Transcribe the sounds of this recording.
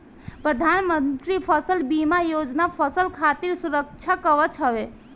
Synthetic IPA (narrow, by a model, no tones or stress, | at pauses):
pɾəd̪ʱanmənt̪ɾipʰəsəlbimajod͡ʒnapʰəsəlkʰat̪iɾsuɾək̚t͡ʃʰakəʋət͡ʃʰɦəʋe